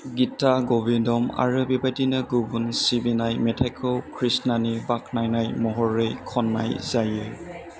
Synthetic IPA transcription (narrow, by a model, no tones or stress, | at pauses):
ɡitaɡɔbindɔma̰ɹɯbibajdinɯɡubunsibinajmɛtʰajkʰɔkʰɹisnanibak̚najnajmɔɦɔɹɯjkʰɔnːa̰jzajɯ